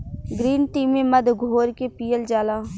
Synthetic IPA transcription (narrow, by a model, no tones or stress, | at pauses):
ɡɾiːnʈiːmeməd̪ʱɡʱoːɾkepiːjəld͡ʒaːlaː